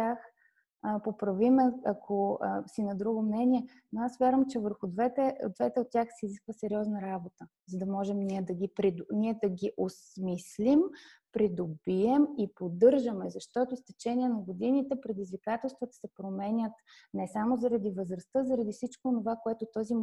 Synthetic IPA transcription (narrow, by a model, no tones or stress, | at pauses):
ax | popɾɐvimɛɐkʰosinɐd̪ɾuɡomnɛnʲiɛ | noasvʲjaɾəmt͡ʃɛvəɾxʊd̪vɛt̪ɛo̰d̪vɛt̪ɛot̪̚tʲːjaxsiiːziskvəsɛɾʲiɔznɐɾabot̪ə | zɐd̪ɐmɔʒɛmniɛd̪ɐɡipɾid̪niɛd̪ɐɡiʔosmislʲim | pɾid̪obiɛmipod̪ɤɾʒəmɛzɐʃt̪ɔt̪ost̪ɛt͡ʃɛniɛnɐɡod̪init̪ɛpɾɛd̪izvikat̪ɛlˠst̪vət̪ə̥sɛpɾomɛnʲət̪ | nɛsamozɐɾɐd̪ivəzɾɐst̪əzɐɾɐd̪ifsit͡ʃkoːnovakoɛt̪ot̪ɔzi